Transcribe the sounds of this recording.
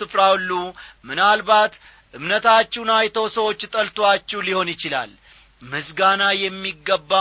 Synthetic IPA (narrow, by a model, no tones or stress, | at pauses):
ɨfɾawlːumɨnalbat̪ | ʔɨmnət̪ʰat͡ʃːunajt̪ʰəwsəwo̞t͡ʃːt̪ʼəlt̪ʰwat͡ʃːɛwliho̞njɪt͡ʃɪla̰l | mɨsɡanajɛmːiɡːəbːa